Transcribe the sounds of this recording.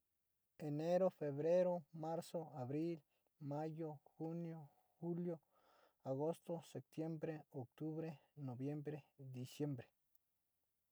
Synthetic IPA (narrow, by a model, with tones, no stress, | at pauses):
e˨ne˦ɾo˦fe˨βɾe˦ɾo˦ma˦ɾso˦a˨βɾi˦l | ma˦jo˦xu˦njo˦ | xu˦ljo˦ | a˨ɣo˦st̪o˦se˨p̚t̪je˦mbɾe˦o˨k̚t̪u˦βɾe˦no˨bje˦mbɾe˦d̪i˨sje˦mbɾe̥˨